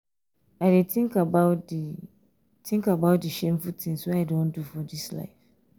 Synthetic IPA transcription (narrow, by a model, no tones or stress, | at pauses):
aɪdetʰĩŋkabaʊd | tʰĩŋkabaʊt̚dɨʃẽmfutʰĩŋswoaɪdõndufɔdisla̰ɪf